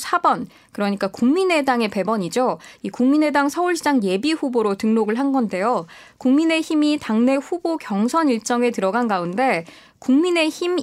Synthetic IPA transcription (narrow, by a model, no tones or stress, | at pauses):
sʰabʌn | kɯɾʌɲik͈akuŋmine̞daŋe̞pe̞bʌɲid͡ʑoikuŋmine̞daŋsʰʌuɭɕʰid͡ʑaŋje̞biɸuboɾotɯŋnoɡɯɭɦanɡʌnde̞jo | kuŋmine̞çimitaŋne̞ɸubokjʌŋsʰʌniɭt͡ɕ͈ʌŋe̞tɯɾʌɡanɡaunde̞ | kuŋmine̞çim